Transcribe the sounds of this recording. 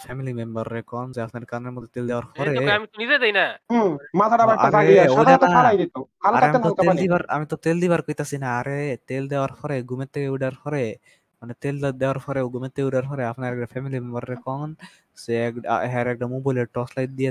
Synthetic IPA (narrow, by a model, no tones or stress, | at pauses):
pʰɛmilimembəɾːekɔnzeapʰnaɾkaneɾmɔd̪ʱːet̪eld̪ɛwaɾpʰɔɾekamit̪ɔnized͡ʒajnamat̪ʰaɖabaɾasɾaeioad͡ʒat̪ɔaɽajd̪it̪ohalaɾaeamt̪ɔaltkaead̪ibaɾa̰mit̪ɔt̪eld̪ibaɾkojt̪asinaːɾet̪eld̪ɛwaɾpʰɔɾeɡumet̪ːeuɖaɾpʰɔɾe | manet̪eld̪ɛaɾpʰɔɾeɡumet̪ːeuɖaɾpʰɔɾeapnaɾɛk̚ʈapʰɛmilimembəɾːekɔŋn | sekɦɛɾɛk̚ʈamubojleʈɔslajt̪̚d̪ija